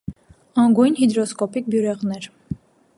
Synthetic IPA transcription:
ɑŋɡujnhid̪ɾɔskɔpik̚bjuɾɛʁnɛɾ

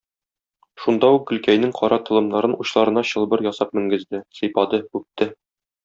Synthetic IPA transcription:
ʃund̪ɑuk̚ɡɵ̆lkæjnɘŋqʰɒɾɑt̪ɤ̆lˠɤ̆mnɑɾɤnuɕlˠɑɾɤ̆nɑɕɤ̆lˠbɤɾjɒsɑp̚mɘ̆ŋɡɘ̆zd̪ɘsɤ̆jpɑd̪ɤʉp̚t̪ɘ

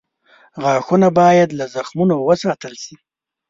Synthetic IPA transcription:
ɣɑxunabɑjad̪lazaxmunowəsɑt̪əlsi

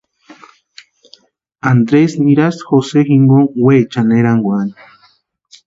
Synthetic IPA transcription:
and̪ɾesmiɾasxosexiŋɡoŋwet͡ʃaneɾaŋɡwani̥

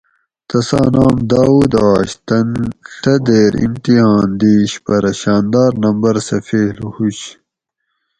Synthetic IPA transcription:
t̪ɐsa̰ːnaːmd̪aːuːd̪ɑːɕt̪ɐnɬɐd̪eːɾḭmt̪ihãːnd̪iːɕpɐɾɐɕaːnd̪aːɾnɐmbɐɾsɐfeːlhuɕ

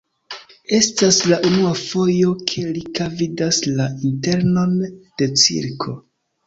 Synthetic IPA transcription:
e̞staslaʔunuafo̞jo̞kʰe̞likavidaslainte̞ɾno̞nd̥e̞t͡sḭɾkʰo̞

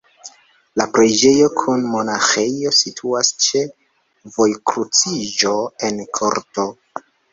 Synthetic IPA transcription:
lapɾed͡ʒe̞jo̞kʰunmo̞naxe̞jo̞sitʰuast͡ʃe̞ | vo̞jkɾut͡sid͡ʒo̞e̞nkʰo̰ɾto̞

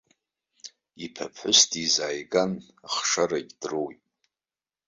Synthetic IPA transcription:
ipʰapʰħʷʊstʰʼizaːjɡan | aχʂaɾaɡʲdrowtʼ

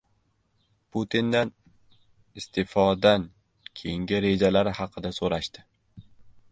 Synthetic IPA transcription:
pʰʊt̪ʰind̪an | ɪst̪ʰɪfɒd̪an | kʲʰejɪŋɡʲɪɾe̞d͡ʒalaɾɪhɑqʰɨd̪asoɾaʃt̪ɪ

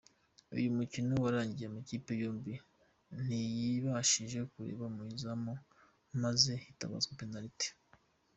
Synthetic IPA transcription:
ṵjumucinowaɾaːɲɟijemuciːpejoːmbi | n̥ijiβaʃiːnʒekuɾe̞̰ːβaumuizamo | maze̞ita̰βa̰zkopenaɾite̥

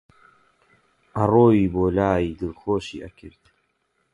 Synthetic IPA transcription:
ʔɐroːjiːboːlaːjiːd̪ɨɾxoːʃiːʔɐkʰɨɾt̪

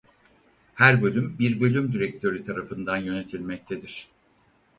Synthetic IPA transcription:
hæɾbølʲymbiɾbø̞lʲymd̪iɾɛc̚t̪ʰø̞ɾyt̪ʰaɾafɯnd̪anjø̞ne̞t̪ʰilʲmɛc̚t̪ʰe̞d̪iɾ̥

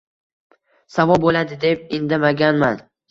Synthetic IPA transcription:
savɒlˠbolad̪ɪd̪e̞p̚ɪnd̪amaɡʲanman

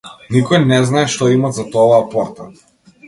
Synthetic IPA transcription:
nikɔjnɛznaɛʃt̪ɔimat̪zat̪ɔvaːpɔɾt̪a

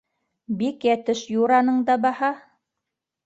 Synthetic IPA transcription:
bikjæt̪ɘʃjuɾɑnɤɴd̪ɑbɑhɑ

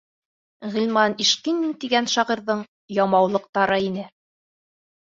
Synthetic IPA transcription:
ʁĭlʲmɑniʃqint̪iɡænʃɑʁiɾðɤɴ | jɑmɑwlˠɤ̆q̚t̪ɑɾɤinɘ

